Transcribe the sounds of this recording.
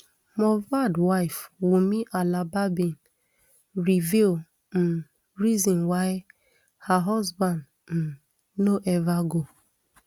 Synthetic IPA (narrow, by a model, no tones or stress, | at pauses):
mɔvadwaɪfwumiʔalababin | ɾivil | m̩ | ɾizɔ̃nwaɪ | haɦɔzbãnd | m̩ | noʔɛvaɡo